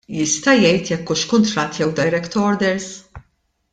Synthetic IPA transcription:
jɪst̪ɐjɛjt̪jɛkːʊʃkʊnt̪ɾɐt̪ːjɛwd̪ɐjɾɛkt̪ɔɾd̪ɛɾs

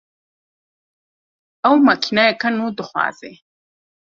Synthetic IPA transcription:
awmakʲʰinajakanudɨχʷa̰ːzḛ

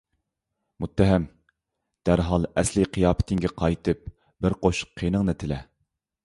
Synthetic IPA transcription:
mut̪ːɛɦæm | d̪̥æɾɦɑlˠɛslɨqʰijɑːpʰɪ̥t̪ʰɪŋɡʲɛqʰɑjt̪ʰɨp̚ | b̥ɪɾqoʃqʰːinɨŋnɨt̪ʰɪlɛ

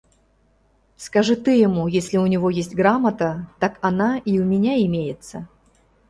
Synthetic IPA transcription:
skɐʐɨt̪ɨjɪmujesʲlʲɪʊnʲɪvo̞jesʲtʲɡɾamət̪ət̪akɐnaiʊmʲɪnʲaɪmʲejɪt̪sə

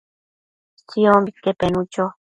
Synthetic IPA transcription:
t͡siombikepenut͡ʃo

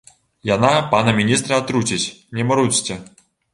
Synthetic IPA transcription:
janapanɐmʲinʲist̪ɾɐat̪ɾut͡sʲit͡sʲnʲɛmɐɾut͡sʲt͡sʲɛ

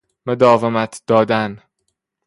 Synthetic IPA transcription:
mod̪ɒːvemæt̪ʰd̪̥ɒːd̪æn

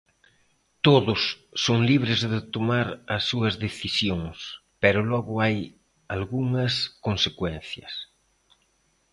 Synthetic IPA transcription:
t̪oðʊsːoŋliβ̞ɾɪzðɪt̪omaɾɐsːuɐzðeθisjoŋs | pɛɾʊlɔɣʊaj | alɣuŋɐskonsekwɛn̟θjɐ̰s

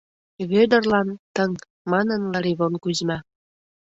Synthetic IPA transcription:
βød̪ə̆rlɑnt̪əŋ | mɑnənlɑɾiβonkuzmɑ

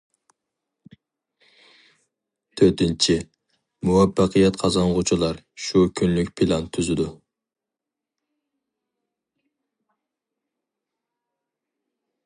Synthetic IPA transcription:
t̪ʰøɾt̪ɪnt͡ʃʰi | muwɑpːɑqʰijɛt̪qʰɑzɑɴʁʊt͡ʃʰulˠɑɾ | ʃukʲʰynlyk̚ʲpʰilˠɑnt̪ʰyzɪd̪u

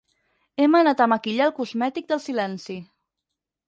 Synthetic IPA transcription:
ɛmənat̪əməkiʎalˠkuzmɛt̪ik̚d̪əlˠsilɛnsi

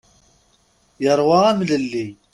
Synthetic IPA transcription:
jəɾˤwɑæmləlːi

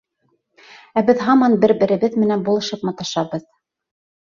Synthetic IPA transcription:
æbɘðɦɑmɑnbɘɾbɘ̆ɾɘ̆βɘðmɘ̆nænbulˠɤ̆ʃɤpmɑt̪ɑʃɑβɤð

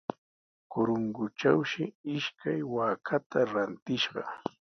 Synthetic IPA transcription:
kʊɾʊŋɡʊt͡ʃawʃɪɪʃkʰajwaːkʰat̪ʰaɾant̪ɪʃɢɑ̰

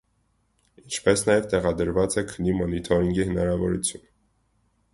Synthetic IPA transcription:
int͡ʃʰpɛsnɑjɛvt̪ɛʁɑd̪əɾvɑt͡sɛkʰənːimɔnit̪ʰɔɾiŋɡihənɑɾɑvɔɾut͡sʰjun

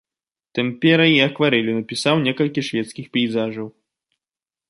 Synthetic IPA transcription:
t̪ɨmpʲɛɾɐiɐkvaɾɛlʲunɐpʲisawnʲɛkɐlʲkʲiʂvʲɛt̪skʲixpʲɛjzaʐɐw

